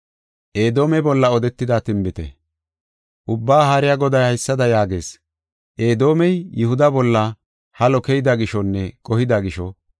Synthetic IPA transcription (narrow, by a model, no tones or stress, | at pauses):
ʔeːd̪o̞ːmɛbɔlːɐɔd̪ɛt̪ːɪd̪aːt̪ɪmbɪt̪ɛ̰ | ʔʊbːaːɦaɾɪjaɡɔd̪ɐjhɐjsːɐd̪ɐjaːɡe̞̰ːs | ʔeːd̪o̞ːmɛjːɪhʊd̪ɐbɔlːɐ | hɐlɔkɛjɪd̪ɐɡɪʃɔnːɛkʼɔhɪd̪ɐɡɪʃɔ